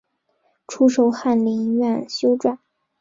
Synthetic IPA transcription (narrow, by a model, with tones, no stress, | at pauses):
ʈ͡ʂʰu˥ʂ̬o˧ʊxa˥˩nli˧˥ŋ˧ɥa˥˩nɕjo˥ʊʈ͡ʂwa˥˩n